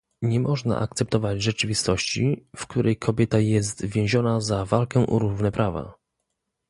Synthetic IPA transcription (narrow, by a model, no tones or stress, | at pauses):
ɲɛmɔʐna̰ʔa̰k̚t̪sɛpt̪ɔvad͡ʑʐɛt͡ʂɘvʲist̪ɔɕt͡ɕḭfkt̪uɾʔɛjkʰɔbʲjɛt̪ajɛst̪vʲjɛ̃w̃ʑɔnazavalkɛ̃ʔɔ̰ɾuvnɛpɾʔava̰